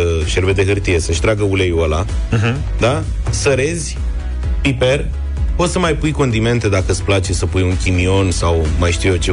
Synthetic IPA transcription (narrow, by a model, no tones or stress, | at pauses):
ʃe̞ɾbed̪e̞ɦɨrt̪ije̞səʃt̪ɾaɡəulejolaɦ | d̪a | səɾe̞zʲ | pipe̞r | po̞t̪səmajpujko̞nd̪ime̞nt̪e̞d̪akəsplat͡ʃe̞səpujuŋkʲimio̞nsawmajʃt̪iujet͡ʃe